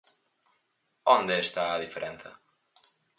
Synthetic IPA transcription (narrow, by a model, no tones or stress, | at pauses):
ond̪eːst̪aːðifeɾʔɛn̟θɐ̰